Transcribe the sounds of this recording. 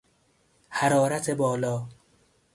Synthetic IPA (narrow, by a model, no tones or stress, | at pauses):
haɾɒːɾæt̪ʰebɒːlɒː